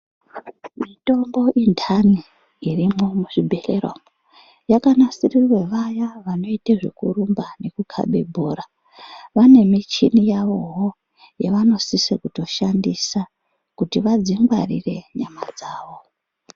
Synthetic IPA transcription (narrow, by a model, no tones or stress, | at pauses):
mito̞mbo̞ʔintʰaniː | rimo̞muʐibʱe̞lḛrwa̰mo | jakanasirirwe̞ʋajaʋano̞iteʐḛkurumbane̞kukʰa̰ɓe̞̰bʱoːɾa | ʋane̞mit͡ʃinijaʋo̞ɦo | jeʋano̞sisekuto̞ʃandisa | kutiʋad͡ziŋɡwarḭre̞ɲamad͡zaːʋo̞